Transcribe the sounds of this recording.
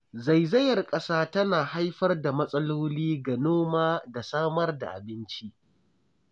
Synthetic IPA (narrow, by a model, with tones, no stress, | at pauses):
za˨jzɐ˦jɐ˨rkʼɐ˦saː˦tɐ˦naː˨ha˦jɸɐ˦rda˨mɐ˦sʼɐ˦loː˦liː˦ɡɐ˨noː˦maː˦da˨saː˦mɐ˦rda̰˨ʔa̰˨bɪ˦nt͡ʃi˦ʔ